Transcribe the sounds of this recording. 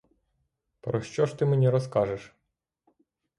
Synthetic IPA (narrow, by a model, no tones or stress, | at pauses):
pɾɔʃt͡ʃɔʃt̪ɪmenʲiɾɔskɑʒeʃ